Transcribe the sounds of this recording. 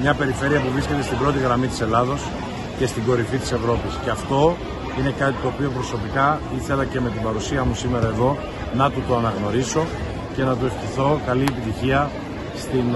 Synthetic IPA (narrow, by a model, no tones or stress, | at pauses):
mɲɐpe̞ɾife̞ɾiɐpuvɾisce̞t̪e̞st̪ibɾo̞t̪iɣɾɐmit̪ise̞lɐðo̞s | ce̞st̪iɡo̞ɾifit̪i̥se̞vɾo̞pisce̞ɐft̪o̞ | ine̞kɐt̪it̪o̞ːpio̞pɾo̞so̞pikɐiθe̞lɐce̞me̞t̪ibɐɾusiɐmusime̞ɾɐe̞ðo̞ | nɐt̪ut̪oɐnɐɣno̞ɾiso̞ | ce̞nɐt̪̬ue̞fçiθo̞kɐliepit̪içiɐ | st̪in